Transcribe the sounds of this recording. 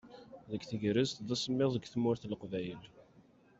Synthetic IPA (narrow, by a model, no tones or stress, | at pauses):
ðəɡθəʝɾəzt̪ðæsˤəmːɪðˤəɡʷθmʊɾθlqvæjəl